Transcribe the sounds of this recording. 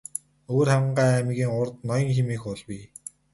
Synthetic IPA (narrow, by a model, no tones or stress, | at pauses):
oːrχæwʲɪ̆ɴɢaːæmiɣiːŋʊrt̪nɔjɞ̆ŋxemiːxʊɮwi